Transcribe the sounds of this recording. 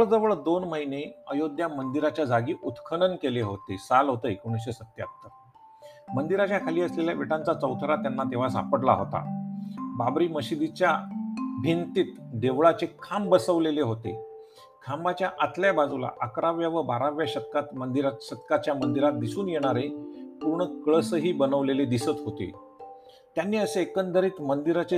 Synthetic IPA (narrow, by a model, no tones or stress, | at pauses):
əɭd͡zəʋəɭd̪onməɦineəjod̪ʱjamənd̪iɾat͡ɕjad͡zaɡiːʔut̪kʰəɳənkeleɦot̪esalɦot̪əekoɽ̃isɕesət̪ja̰t̪ːəɾ | mənd̪iɾat͡ɕjakʰaliːəsleljaʋiʈãnt͡sat͡səwt̪ʰɾat̪janːat̪eʋ̤asa̰pəɽla̰ɦot̪a̰babɾiːməɕid̪it͡ɕjabʱint̪iːt̪d̪eʋɭat͡ɕekʰambəsəʋleleɦot̪ḛ | kʰambat͡ɕjaʔat̪ljabad͡zula̰ʔəkɾaʋjaʋəbaɾaʋjaɕət̪̚kat̪mənd̪iɾaɕət̪kat͡ɕjamənd̪iɾat̪̚d̪isuːnjeɽ̃aɾepuɾɳəkɭəsəɦiːbənəʋleled̪isət̪ɦot̪ḛ | t̪janːiːəseːkənd̪əɾiːt̪mənd̪iɾat͡ɕe